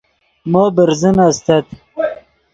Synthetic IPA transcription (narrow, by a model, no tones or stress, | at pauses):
moːbəɾzənast̪at̪